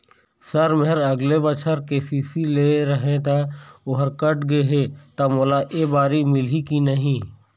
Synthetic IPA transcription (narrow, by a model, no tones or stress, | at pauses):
səɾmeɦɪɾɐɡlebət͡ʃʰəɾkeːsiːsileːɾəɦẽt̪aʊɦəɾkəʈɡeɦeːt̪amoːlaʔeːbaːɾimɪlikinəɦĩː